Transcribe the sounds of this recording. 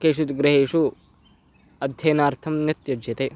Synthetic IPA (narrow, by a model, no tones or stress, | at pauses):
keːʃ̬ut̪ɡɾɐɦeːʃu | ɐd̪ʱjɐːnaːɾt̪ʰɐmnɐt̪jɐd͡ʒɐt̪eː